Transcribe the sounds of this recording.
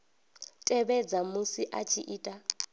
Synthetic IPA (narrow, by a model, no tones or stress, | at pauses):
tʼɛβɛd͡zamusiʔat͡ʃʰiʔiːtʼa